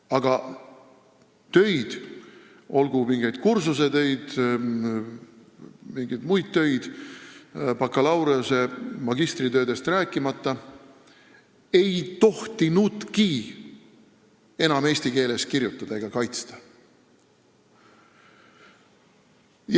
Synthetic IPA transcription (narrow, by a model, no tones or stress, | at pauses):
ɑɡ̥ɑ | t̪ø̞jd̪̥ | o̞lɡ̥umiŋɡ̥e̞jd̪̥̚kursuse̞t̪ø̞jd̪̥ | miŋɡ̥id̪mujd̪̥̚t̪ø̞jd̪̥ | pɑkːˑɑlɑwɾeose̞mɑɡ̥ist̪rit̪ø̞ːd̪e̞st̪ræːkːˑimɑt̪ˑːɑ | e̞jt̪o̞ht̪inud̪ki | e̞nɑme̞ːsʲt̪ike̞ːle̞skirjut̪ːˑɑd̪̥ɑe̞ɡ̥ɑkɑjt̪st̪ɑ̥